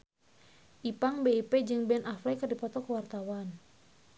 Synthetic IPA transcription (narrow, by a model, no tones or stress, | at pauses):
ʔipaŋbeiped͡ʒɨŋbɛnʔaflɛkɨrdipɔt̪ɔkəwart̪awan